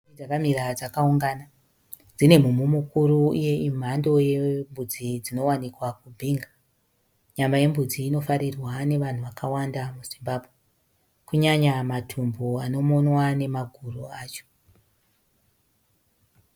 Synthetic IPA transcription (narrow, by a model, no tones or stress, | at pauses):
d͡zakamiɾad͡zakauŋɡaːna | d͡zine̞mumumukuɾuije̞im̤ando̞je̞mbud͡zid͡zino̞wanikwakubʱiːŋɡa | ɲamaje̞mbud͡ziːno̞faɾirwane̞ʋan̤uʋakawandamuzimbaːbʱwe | kuɲaɲamatʰumboano̞mo̞nwane̞maɡʱuruaːt͡ʃo̥